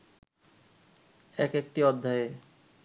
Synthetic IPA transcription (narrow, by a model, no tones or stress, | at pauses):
ɛkek̚ʈiɔd̪ʱːae